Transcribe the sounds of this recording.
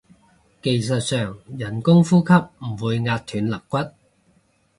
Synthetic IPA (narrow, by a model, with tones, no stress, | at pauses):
ke˨jsɐ˨t̚sœː˨ŋjɐ˨˩nkʊ˥ŋfuː˥kʰɐ˥p̚m̩˨˩wuː˨˧jŋaː˧t̚t̪ʰyː˨˥nlɐ˨˩kʷːɐ˥t̚